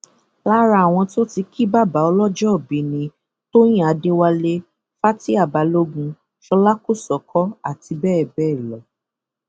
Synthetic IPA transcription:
la˦ɾa˧˦a˨w̃ɔ̃˧to˦ti˧kʰi˦ba˦˨ba˨˦ɔ˧lɔ˦d͡ʒɔ˦ɔ˦˨bĩ˨nĩ˧ | to˦j̃ĩ˦˨a˨˧de˦wa˧le˦ | fa˦ti˦a˦˨ba˨˧lo˦ɡũ˧ | ʃɔ˧la˦ko˦˨sɔ˨kʰɔ˦a˦˨ti˧bɛː˦˨bɛː˦˨lɔ˨

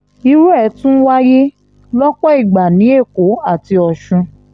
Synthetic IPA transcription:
i˧ɾu˦ɛ˦˨˦tũ˦wa˦ji˦ | lɔ˦k͡pɔ˦i˦˨ɡ͡ba˨nĩ˨˦e˦˨ko˨˦a˦˨ti˧ɔ˧˨ʃũ˧

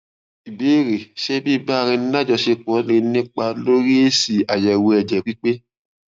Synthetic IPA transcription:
i˨be˨˦˨ɾe˨ʃɛ˦bi˦˨˦ba˦˧ɾ̃ĩ˧n˦a˦d͡ʒɔ˧ʃe˧k͡pɔ˨˦nĩ˧nĩ˦k͡pa˧lo˦ɾi˦e˦si˨a˨jɛ˨wo˧ɛ˨d͡ʒɛ˨k͡pi˦k͡pe˦

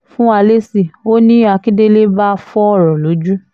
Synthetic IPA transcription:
fũ˦a˧le˦si˨o˦nĩ˦a˧ki˦de˦le˦ba˦˧fɔ˦ɔ˦˨ɾɔ̃˨lo˨˦d͡ʒu˦

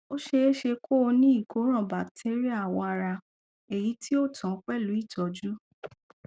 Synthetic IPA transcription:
o˦ʃe˧˦ʃe˧kʰo˦o˧nĩ˦i˦˨ko˨˦ɾ̃ã˦˨ba˨ktʰe˦ɾi˦a˦˨wɔ̃˧a˧ɾa˧ | e˨ji˨˦tʰi˦o˦˨tʰã˨˦k͡pɛ˦lu˨˦i˦˨tɔ˨d͡ʒu˦

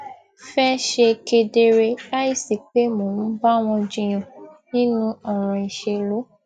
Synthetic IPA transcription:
fɛ˦ʃe˧ke˧de˧ɾe˧la˦i˦˨si˨k͡pe˨˦moː˨n̩˦ba˦˨w̃ɔ̃˧d͡ʒĩ˧j̃ɔ̃˨nĩ˦nũ˦ɔ˨ɾ̃ɔ̃˨i˨ʃe˧lo˦

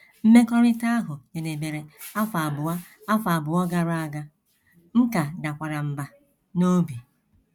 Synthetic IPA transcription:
m̩˦me˦kɔ˦ɾɪ˦ta˦ɦʊ˨je˨ne˨be˨ɾe˨a˦fa˨bʊ˨a˦a˦fa˨bʊ˨ɔ˦ɡa˦ɾa˨ɡa˦ | ŋ̩˦ka˨da˨kʷa˨ɾa˨m̩˨ba˨ | no˦bi˨

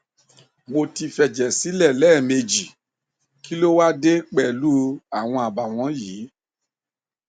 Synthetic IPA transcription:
mo˧ti˧fɛ˨d͡ʒɛ˨si˨˦lɛ˦˨lɛː˦˨me˧d͡ʒi˨ | ki˨˦lo˦wa˦de˦k͡pɛ˨lu˦a˨w̃ɔ̃˧a˨ba˨w̃ɔ̃˨˦jiː˨˦

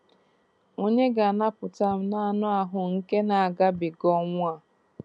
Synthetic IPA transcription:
o˦ɲe˦ɡa˨na˦pʊ˨ta˦m̩˦na˦a˦˨nʊ˦a˨ɦʊ˨ŋ̩˦ke˦na˨a˨ɡa˦bɪ˨ɡɔ˦ŋʷ˦a˨

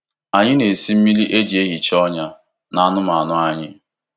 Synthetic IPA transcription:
a˨ɲɪ˦ne˨si˦m̩˦mi˦li˦ʔe˦d͡ʒe˦ɣi˨t͡ʃɔ˦ɲa˦ | na˦a˦nʊ˦ma˨nʊ˦a˦ɲɪ˦

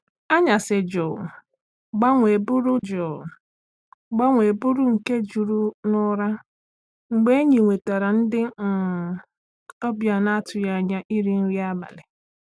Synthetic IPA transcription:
a˦ɲa˨sɪ˨d͡ʒɔ˨ | ɡ͡ba˦ŋʷe˨bʊ˦ɾʊ˦d͡ʒɔ˨ | ɡ͡ba˦ŋʷe˨bʊ˦ɾʊ˦ŋ̩˨ke˦d͡ʒu˨ɾu˦nʊ˦ɾa˦ | ŋ͡m̩˨ɡ͡be˦e˦ɲi˨ŋʷe˨ta˨ɾa˨n̩˦dɪ˦˨ | ɔ˦bja˨na˦a˦tʊ˨ja˦˨ɲa˦ʔi˦ɾi˦n̩˦ɾi˦a˦ba̰˨lɪ˨

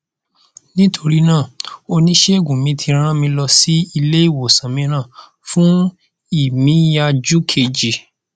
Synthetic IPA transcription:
nĩ˦tʰo˧ɾi˦nãː˦˨o˧nĩ˦ʃe˦˨ɡũ˨mĩ˨˧tʰi˧ɾ̃ã˦mĩ˧lɔ˧si˦i˧le˦i˦˨wo˨sã˨mĩ˧ɾ̃ãː˦˨ | fũ˦ | i˦˨mĩ˨˦ja˧d͡ʒu˦kʰe˧˨d͡ʒi˨

